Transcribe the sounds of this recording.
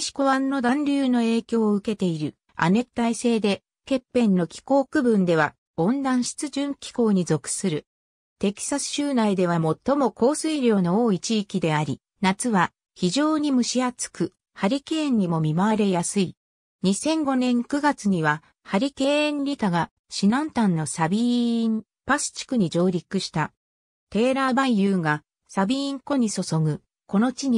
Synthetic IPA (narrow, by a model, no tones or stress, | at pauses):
ɕi̥ko̞βãnːo̞d̪ãnɾʲɨːno̞e̞ːkʲo̞ːɯ̟ke̞t̪e̞iɾɯ̟ | a̰ne̞t̪ːaise̞ːd̪e̞ | ke̞pːẽ̞nːo̞kʲi̥ko̞ːkɯ̟bɯ̟̃nd̪e̞βa | õ̞nd̪ãɰ̃ɕi̥t͡sɨʑɨ̃ŋkʲi̥ko̞ːɲ̟izo̞kɯ̟̥sɨɾɯ̟ | t̪e̞kʲi̥sasɨ̥ɕɨːnaid̪e̞β̞amo̞t̪ːo̞mo̞ko̞ːsɨiɾʲjo̞ːno̞oːit͡ɕiːkʲid̪e̞aɾʲi | nat͡sɨβa | çiʑo̞ːɲ̟imɯ̟ɕiat͡sɨ̥kɯ̟ | haɾʲikẽ̞ːɲ̟ːimo̞mʲimaβaɾe̞jasɨi | ɲ̟isẽ̞ŋɡo̞nẽ̞ŋkɯ̟ɡat͡sɨɲ̟iβa | haɾʲikẽ̞ːnɾʲit̪aɡa | ɕinãnt̪ãnːo̞sabʲi | pasɨ̥t͡ɕi̥kɯ̟ɲ̟id͡ʑo̞ːɾʲikɯ̟ɕi̥t̪a | t̪e̞ːɾaːbãɰ̃jɯːɡa | sabʲĩːŋko̞ɲ̟iso̞so̞ɡɯ̟ | ko̞no̞t͡ɕiɲi